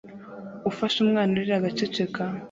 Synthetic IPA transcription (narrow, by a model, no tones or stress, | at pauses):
ufaʃumŋaːnuɾiɾaɡat͡ʃet͡ʃeka